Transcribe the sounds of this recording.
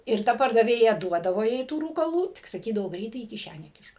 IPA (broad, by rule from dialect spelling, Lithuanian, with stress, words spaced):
ɪr ˈtɐ pɐrdɐˈʋʲeːjɛ ˈduɔdɐʋoː jɛɪ tuː ruːkɐˈlˠuː tʲɪk sɐˈkʲiːdɐʋoː ˈɡrʲɛɪtɐɪ iː kʲɪˈʃʲænʲæː ˈkʲɪʃk